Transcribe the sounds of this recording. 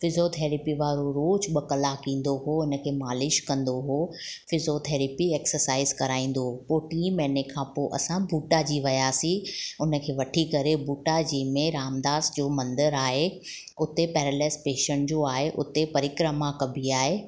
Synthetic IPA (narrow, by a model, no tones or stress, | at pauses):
fɪzot̪ʰeːɾipiʋaːɾoɾoːd͡ʑɓɐkɐlakĩːn̆d̪oɦoɪnə̆kʰeːmaːlɪʃkɐ̃nd̪oɦoːfɪzot̪ʰeːɾɪpieːksəɾsaːɪzkɐɾaːĩːn̆d̪oɦpoːʈiːmɛ̃ːnekʰãːpoːʔɐ̰sãbʱuːʈad͡ʑiʋɐjaːsĩʊnə̆kʰeːʋɐʈʰikɐɾebuːʈad͡ʑiːmẽɾaːmd̪aːsd͡ʑoːmɐ̃nd̪əɾaːɦe | ʊt̪epɛːɾəleːspeːʃəɳʈd͡ʑoːaːɦeʔʊt̪epɐɾɪkɾəmakɐbʱiaːɦeː